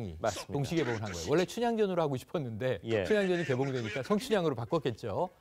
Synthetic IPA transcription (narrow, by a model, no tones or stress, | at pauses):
ŋḭastoŋɕʰiɡe̞boŋɯnɦanɡʌjo̰wʌɭːe̞t͡ɕʰuɲaŋd͡ʑʌnɯɾohaɡoɕʰi̥pʰʌnːɯnde̞t͡ɕʰuɲaŋd͡ʑʌɲike̞boŋdwe̞ɲik͈asʰʌŋt͡ɕʰuɲaŋɯɾopak͈ʌk͈e̞t̚t͡ɕ͈o